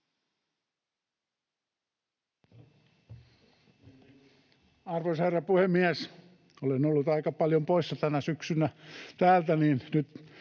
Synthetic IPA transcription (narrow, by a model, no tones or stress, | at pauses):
ɑrʋoisherːɑpuhemːiæs | olenolːut̪ɑikɑpɑljompoisːɑt̪ænæsyksynæt̪æːlt̪æniːnnyt̪